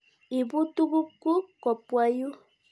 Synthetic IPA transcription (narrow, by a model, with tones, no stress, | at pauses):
i˨bu˦tu˦bu˦ku˦kɔ˨pwa˦ju˦